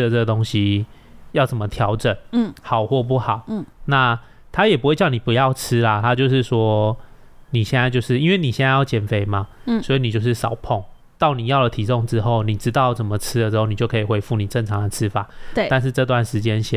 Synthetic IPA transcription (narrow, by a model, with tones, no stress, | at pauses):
də˨ʈ͡ʂə˥˩ɡə˩t̪o˥ŋɕi˨ | jɑ˥˩ʊt͡sə˨˩nmə˦t̪ʰjɑ˧˥ʊʈ͡ʂə˨˩n˥˩hɑ˨˩ʊxwɔ˥˧p̬u˥˩xɑ˨˩˦ʊ˧na˥˨ | t̪ʰa˥jɛ˨˩pu˧˥xwe˥˧t͡ɕjɑ˥˩ʊni˨˩pu˧˦jɑ˥˨ʊʈ͡ʂ̩ʰ˦la˨t̪ʰa˦t͡ɕjo˥˧ʊʂ̬ɻ̩˥˧swɔ˥ | ni˨˩ɕjɛ˥˧na˥˧ɪt͡ɕjo˥˧ʊʂɻ̩˥˩i˥nwe˥˩ɪni˨˩jɛ˥˧na˥˧jɑ˥˩ʊt͡ɕjɛ˨˩nfe˨˩ɪma˨ | swɔ˧˥i˨˩ni˨˩t͡ɕjo˥˧ʊʂ̬ɻ̩˥˩sʂɑ̰˨˩˦ʊpʰɔ˥˩ŋ | t̪ɑ˥˩ʊni˨˩jɑ˥˩ʊlə˩t̪ʰi˨sɔ˥˧ŋʈ͡ʂɻ̩˥xo˥˩ʊni˨˩ʈ͡ʂɻ̩˧˦t̪ɑ˥˩ʊt͡sə˨˩mə˦ʈ͡ʂʰɻ̩˥d̪ə˨ʈ͡ʂɻ̩˥xo˥˩ʊni˨˩t͡ɕjo˥˩ʊkʰə˧˥i˨˩xwe˧˥i˧˩fu˥˩ni˨˩ʈ͡ʂə˥˩ŋʈ͡ʂʰɑ˧˥ŋd̪ə˧ʈ͡ʂʰɻ̩˦˥fa̰˨˩˦t̪a˥˧nʂ̬ɻ̩˥˧ʈ͡ʂɤ˧t̪̬wa˥˩nʂɻ̩˧˥t͡ɕjɛ˦nɕɛ˨